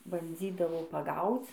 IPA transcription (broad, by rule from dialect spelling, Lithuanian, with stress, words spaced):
bɐnʲˈd͡zʲiːdɐʋoː pɐˈɡɐʊt͡s